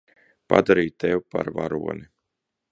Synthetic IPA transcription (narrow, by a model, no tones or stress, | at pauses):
pa̰d̪aɾiːjt̪ɛwpa̰ɾvaɾuɔni